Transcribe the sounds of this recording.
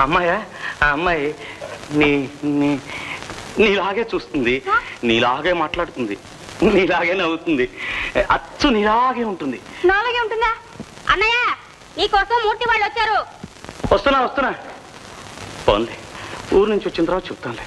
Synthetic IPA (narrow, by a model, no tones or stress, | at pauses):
ɐmːaːjaːɐmːaːjiniːni | niːlaːɡeːt͡ʃuːst̪und̪iniːlaːɡeːmaːʈlaːɽut̪und̪i | niːlaːɡeːnɐwut̪und̪iɐt͡ʃːuniːlaːɡeːuɳʈund̪inaːlɐɡeuɳʈund̪aː | ɐnːaːjaː | niːkɔːsɐmːuːɾt̪iʋaːɭːʋɐt͡ʃːaːɾu | ʋɐst̪unːaːʋɐst̪unaː | po̰ːnd̪iuːɾnuɲt͡ʃiʋɐt͡ʃːint̪ɐɾʋaːt̪ɐt͡ʃebut̪aːnle